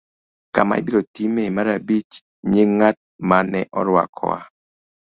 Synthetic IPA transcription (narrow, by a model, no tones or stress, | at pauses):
kama̰ibiɾotimemaɾabit͡ʃ | ɲeŋat̚manɛʔɔɾwa̰kʰɔ̰wa̰